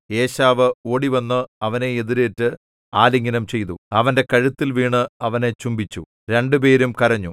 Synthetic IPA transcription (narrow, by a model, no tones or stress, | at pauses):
e̞ːɕaːʋɨo̞ːɽiʋɐnːɨɐʋɐne̞eðiɾeːʈːɨ | aːliŋːɐnɐmt͡ɕe̞jt̪̬uɐʋɐnde̞kɐɻut̪ːilʋiːɳɨɐʋɐnet͡ɕumbit͡ɕːu | ɾe̞ɳɖɨp̬e̞ːɾumkɐrɐɲːu